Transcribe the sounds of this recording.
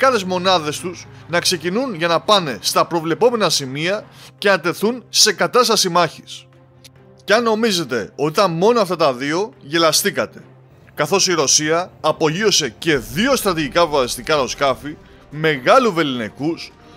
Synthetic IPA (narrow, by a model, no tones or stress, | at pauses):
kɐθe̞zmo̞nɐðe̞st̪us | nɐkse̞cinunʝɐnɐpɐne̞st̪ɐpɾo̞vle̞po̞me̞nɐsimiɐce̞nɐt̪e̞θunse̞kɐt̪ɐst̪ɐsimɐçis | ceɐnːo̞mize̞t̪e̞o̞t̪it̪ɐnmo̞noɐft̪ɐt̪ɐðio̞ʝe̞lɐst̪ikɐt̪e̞̥ | kɐθo̞siɾo̞siɐːpo̞ʝio̞se̞ce̞ðio̞st̪ɾɐt̪iʝikɐvɐsist̪ikɐɾo̞skɐfi | me̞ɣɐluve̞linekus